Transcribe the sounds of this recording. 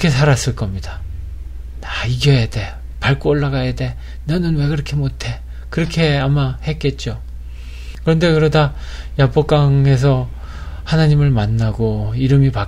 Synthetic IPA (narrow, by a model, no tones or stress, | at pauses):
kʰesʰaɾas͈ɯɭk͈ʌmɲida | aiɡʌjade̞ | paɭk͈oːɭːaɡajade̞ | nanɯnwe̞kɯɾʌkʰemotʰe̞ | kɯɾʌkʰe̞amahe̞k͈e̞t̚t͡ɕ͈o | kɯɾʌnde̞kɯɾʌdajap͈ok͈aŋe̞s̬ʰʌ | hanaɲimɯɭmanːaɡoiɾɯmipa